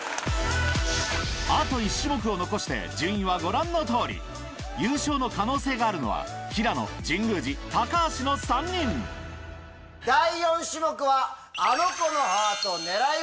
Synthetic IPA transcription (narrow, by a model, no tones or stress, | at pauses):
at̪o̞iɕːɨmo̞k̬ɯ̟o̞no̞ko̞ɕi̥t̪e̞̰d͡ʑɨ̃ɰ̃ĩβaɡo̞ɾãnːo̞t̪o̞ːɾʲḭ | jɯːɕo̞ːno̞kano̞ːse̞ːɡaːɾɯ̟no̞βa̰çʲiɾano̞̰d͡ʑĩŋɡɯ̟ːd͡ʑit̪akaːɕino̞sãɲːĩn | d̪aijõ̞ɰ̃ɕɨmokɯ̟βaː | nokonoɦaat̪one̞ɾa